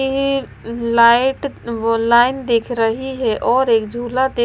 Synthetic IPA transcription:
ɦi | laːɪʈlaːɪnd̪ekʰɾəɦiɦɛʔɔːɾeːkd͡ʒʱuːlat̪e

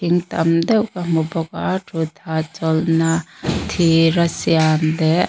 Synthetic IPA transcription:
iŋt̪ɐmd̪ɛwkamubɔkaʈʰud̪ʰʱat͡ʃɔlnat̪ʰiɾɐsijand̪ɛ

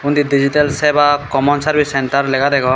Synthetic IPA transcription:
und̪idid͡ʒiʈelsɛbakɔmɔnsaɾbisɛnʈaɾlɛɡad̪ɛɡɔ

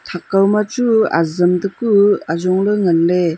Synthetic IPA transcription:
t̪ʰakːawmat͡ʃua̰zɯmdɯkuazɔŋlɯŋəlːe

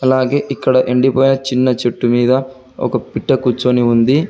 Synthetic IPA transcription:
ɐlaːɡe̞ːʔikːɐɽɐʔeɳɖipoːjinɐt͡ʃinːɐt͡ʃeʈːumiːd̪ɐ | ɔ̰kɐpiʈːɐkut͡ʃːoːniund̪i

